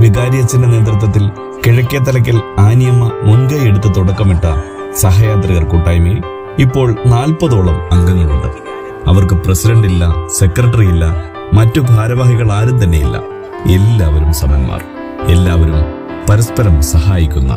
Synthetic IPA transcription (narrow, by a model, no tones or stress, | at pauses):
ʋiɡaːɾijɐt͡ɕːɐndɐne̞ːt̪rɨt̪̬ːwɐt̪̬ːil | kiɻɐkʲːɐt̪ːɐlɐk̬ʲːɐlaːnjɐmɐmuŋɡɐeɽut̪ːɐt̪uɽɐkːɐmiʈːɐ | sɐɦɐjaːt̪riɣɐrkuːʈːaːjmi | ipːo̞ːɭnaːlpɐðo̞ːɭɐmɐŋɡɐŋːɐɭuɳɖɐ̰ | ɐʋɐrkɨpresidɐɳɖilːɐse̞krɐʈːɐrijilːɐ | mɐtːubʱaːɾɐʋaːhiɣɐɭaːɾumt̪̬ɐnːe̞̰jilːɐ̰ | e̞lːaːʋɐɾumsɐmɐjɐmːa̰ːr | elːaːʋɐɾum | pɐɾɐspɐɾɐmsɐɦaːjikʲːunːɐ̰